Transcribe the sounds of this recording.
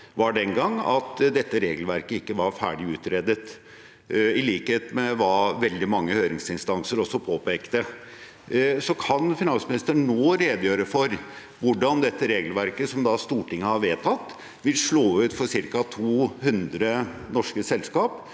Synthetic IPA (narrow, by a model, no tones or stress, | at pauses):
ʋɑɖɛnɡɑŋːɑ̰t̪d̪ɛt̪ːəɾeːɡəlʋæɾkəɪkːəʋɑɾfæ̰ːɖɪʉːt̪ɾeːd̪ət̪ | ɪliːkəheːt̪mɛʋɑʋɛld̪ɪmɑŋːəhøːɾɪŋsɪnst̪ɑnsəɾɔsːɔpʰoːpʰeːkt̪ə | sɔkʰɑnfɪnɑnsmɪnɪst̪əɳnoːɾeːd̪jøːɾəfɔɾ | ʋʊɖɑnd̪ɛt̪ːəɾeːɡəlʋæɾkəsɔmd̪ɑst̪uːʈɪŋːəhɑɾʋeːt̪ʰɑt̪ː | ʋɪlʂɭoːʉːt̪fɔʂɪɾkɑt̪ʰuːhʉnd̪ɾənɔʂkəsɛlskɑːp